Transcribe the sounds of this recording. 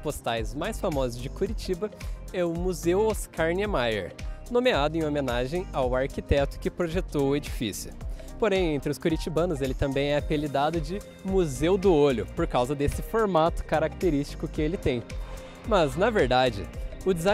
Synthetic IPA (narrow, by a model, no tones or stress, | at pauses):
post̪ajzmajsfamɔzʊzd͡ʒɪkuɾit͡ʃibɐɛʊmuzewoskʰaɾnemajḛɾnõmead̪ʊẽj̃omẽnaʒẽj̃awaɾkit̪ɛt̪ʊ̥kɪpɾoʒet̪owʊed͡ʒifḭsjʊ | poɾẽj̃ẽnt̪ɾɪʊskuɾit͡ʃibɐ̃nʊzelɪt̪ɐ̃mbẽj̃ɛapelid̪ad̪ʊd͡ʒɪ | muzewd̪ʊoʎʊpoɾkawzɐd̪esɪfoɾmat̪ʊ̥kaɾak̚t̪eɾist͡ʃi̥kʊkɪelɪt̪ẽj̃ | mɐznɐveɾd̪ad͡ʒɪ̰ʊd͡ʒɪza